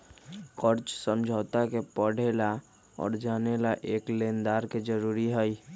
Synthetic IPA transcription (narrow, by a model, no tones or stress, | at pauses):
kəɾt͡ʃsə̃md͡ʒʱɔːt̪akepəɽ̤ela | ɔ̰ːɾd͡ʒaːnelaʔeːkleːnd̪aːɾked͡ʒəɾuːɾiɦəi